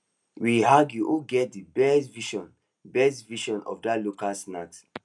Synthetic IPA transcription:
wiɦaɡjuʔuɡɛt̚dibɛstviʃɔ̃n | bɛstviʃɔ̃nɔ̰fdalokasnat

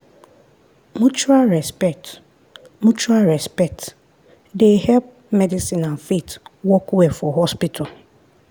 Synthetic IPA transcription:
mut͡ʃualɹɛspɛk̚t | mũt͡ʃuaɹɛspɛk̚t | dehɛlp̚ | mɛdisĩnãnfetwɔkɛfɔɦɔspitʰal

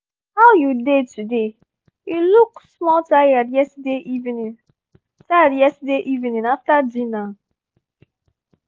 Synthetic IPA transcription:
haʊjudetude | iluksmɔltajədjɛsdeʔivnĩn | taɾjɛstdeʔivinĩnaftadina

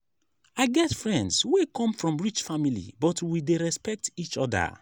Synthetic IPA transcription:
aɪɡɛtfɹɛ̃ndswekʰɔ̃mfɹɔ̃mɹit͡ʃfamilḭbɔtwideɹɛspɛk̚tit͡ʃɔdə̰

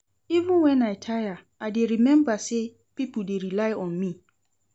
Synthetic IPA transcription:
ivɪ̃nwɛ̃najtʰaja | adeɾimɛ̃mbase | pipl̩deɾilaɪɔ̃nmĩ

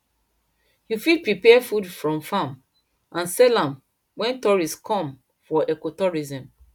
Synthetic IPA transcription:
jufid̚pɹipɛfudfɹɔ̃mfãm | ʔãnsɛlãm | wɛ̃ntɔɹiskʰɔ̃m | fɔʔekotɔɹizɛ̃m

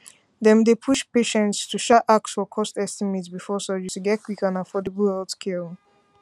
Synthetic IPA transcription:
ðɛ̃mdepʰuʃpeʃɛ̃ntstʰuʃaʔak̚tsfɔkʰɔstɛstimetsbifɔsəd͡ʒɨtuɡɛt̚kʰwikãnafɔdəbəlɛldskʰil

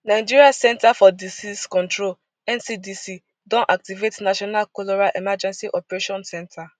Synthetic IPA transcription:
naɪd͡ʒiɾiasɛ̃ntafɔdisiskɔ̃ntɹol | ɛ̃nsidisi | dɔ̃nʔak̚tivetnaʃɔnalkolɔɾalʔemad͡ʒɛ̃nsiʔɔpeɾeʃɔ̃nsɛ̃ntʰa

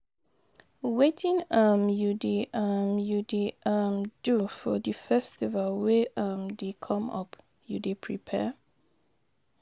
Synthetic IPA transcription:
wetʰĩnamjudeʔamjudeʔamdufɔdəfɛstivalwɛʔamdekʰɔ̃mʌ̰p | jṵdepʰɹḭpʰɛ̰

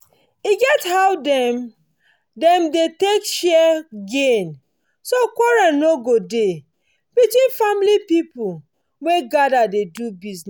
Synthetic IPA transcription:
iɡɛthawdɛm | dɛ̃mdetekʃɛɡẽn | sokɔɹɛ̃noɡode | b̥itwĩnfamlipipu | weɡadadedubizn

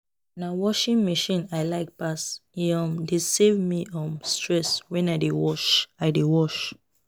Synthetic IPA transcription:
nawɔʃĩnmeʃĩnaɪlaɪk̚pasiɔ̃mdesevmiʔɔ̃mstɹɛswɛ̃naɪdewɔʃaɪdewɔʃ

